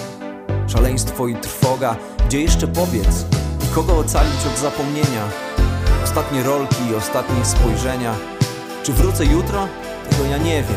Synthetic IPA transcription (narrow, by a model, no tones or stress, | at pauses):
ʂalɛj̃st̪fɔit̪ɾfɔɡa | ɡd͡ʑɛjɛʂt͡ʂɛpɔbʲjɛt̪sikɔɡɔːt̪salʲit͡ɕ̪ɔd̪zapɔmɲeɲa | ɔst̪at̪ɲɛɾɔlkʲiːɔst̪at̪ɲɛspɔjʐɛɲa | t͡ʂɘvɾut̪sɛjut̪ɾɔ | t̪ʰɛɡɔjaɲɛvʲjɛ